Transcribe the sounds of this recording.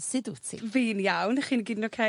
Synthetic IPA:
sɪdutʰḭviːnjawnχiːnɡiːdnokʰe

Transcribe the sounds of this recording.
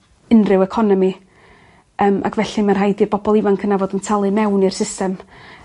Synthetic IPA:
ɪnrɨwɛkʰɔnɔmi | əːmʔa̰kvɛɬimərɦajdib̥ɔbɔlˠɪvankʰənavoːdəntʰalˠɨmɛwnirsɪstɛm

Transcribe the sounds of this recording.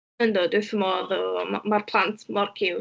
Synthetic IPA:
əndɔdʊθəmɔrɔmarpʰlˠantʰmɔrkʰɪw

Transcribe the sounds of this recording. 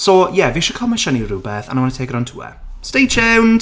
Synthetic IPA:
sɔjɛviʃɔkʰɔmaʃəniruːbɛθa̰nawanətʰeːɡrawntʰṵːɛ̰stejt͡ʃɛwn

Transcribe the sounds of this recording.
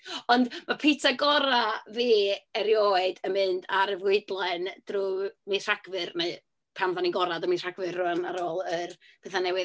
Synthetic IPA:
ɔndmapʰɪtʰaɡɔɾaviːɛɾjoɨdəmɨndaɾəvwɪɨdlˠɛnd̥rumir̥aɡ̥vɨrneɨ | pʰamðaniɡɔɾadɔmir̥aɡvɨrrʊanaɾoːlˠərpʰeθanɛwɨ

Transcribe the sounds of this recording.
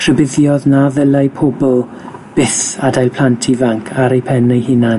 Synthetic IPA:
kʰr̥əbɪðjɔðnaðəlajpʰobɔlˠ | b̥ɪθadajlˠpʰl̥antʰivaŋkʰaɾejpʰɛnejhɪna

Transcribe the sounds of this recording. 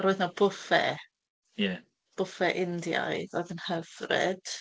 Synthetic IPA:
ɾoːɨðnɔbʊfɛ̰ | jɛ | b̥ʊfɛʔɪndja̰ɨðɔjðənhəvrɪ̰d̥

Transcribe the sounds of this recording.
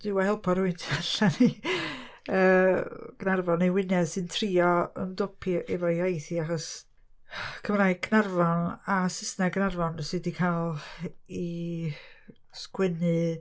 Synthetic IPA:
d̥ɪwahɛlˠpʰɔɾʊɨntʰaɬani | əːɡ̥narvɔnewɪnɛ̥sɨntʰriːɔə̰mdɔpʰiʔɛvɔiajθiaχɔs | kʰəmraːjɡʰnarvɔnasɪsnaɡnarvɔnsɨdikʰalˠi | skwɛnɨ

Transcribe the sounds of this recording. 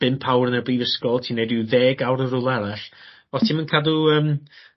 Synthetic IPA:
b̥ɪmpʰawrənərbiːvəskɔlˠtʰiːnedɪwðeːɡawɾərʊlˠɛɾaɬ | ɔtʰiːmənkʰaduəːm

